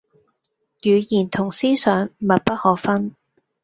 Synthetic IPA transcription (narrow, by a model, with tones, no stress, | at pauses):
jyː˨˧jiː˨˩nt̪ʰʊ˨˩ŋsiː˥sœː˨˧ŋ˨mɐ˨t̚pɐ˥t̚hɔː˨˥kfɐ˥n